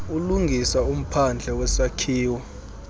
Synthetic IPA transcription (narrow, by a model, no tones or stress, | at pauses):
uluŋɡʱisaum̩pʰand͡ɮʱɛwɛsakʰiːwɔ